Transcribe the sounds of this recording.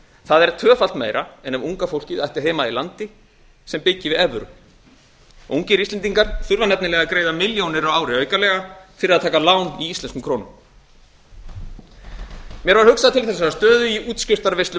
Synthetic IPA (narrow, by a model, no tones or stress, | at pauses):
θaðɛɾ̥t̪ʰœːfal̥t̪mḛːjɾʔaɛnɛvuŋkafowl̥cɪðajht̪ɪ̥ɦeːmailant̪ɪ | sɛmpɪcːɪvɪðɛvɾʏ̰ | uŋcɪɾist̪lɛniŋkaɾ̥θʏɾvanɛp̚nɪlɛːɣakɾeːjðamɪljownɪɾawaːwɾɪœɥkalɛɣafɪɾɪɾaðt̪ʰaːkalaːwniist̪ɛnskʏmkʰɾoːwnʏm | mjɛɾvaɾ̥hʏksaðt̪ʰɪlθɛs̬ːaast̪œːðʏiuːt̪scɪr̥t̪aɾvejst̪lʏ